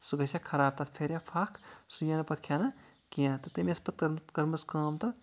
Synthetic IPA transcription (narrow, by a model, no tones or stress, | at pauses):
suɡɐsjakʰɐɾaːb̚t̪at̪ʰpʰeɾjapʰaːkʰsujaːnɐpɐt̪̚kʰjaːnɐ | kijãːt̪ɐt̪emiɐspɐt̪̚kɐɾmt̪kɐɾmɐskɐːmt̪ɐ